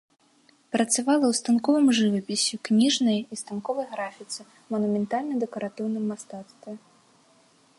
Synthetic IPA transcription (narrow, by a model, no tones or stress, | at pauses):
pɾɐt̪savalˠɐwst̪ankɔvɨmʐɨvɐpʲisʲiknʲiʐnɐjist̪ankɔvɐjɣɾafʲit̪sɨ | mɐnumʲɛnt̪alʲnɐd̪ɛkɐɾat̪ɨwnɨmːast̪at̪st̪vʲɛ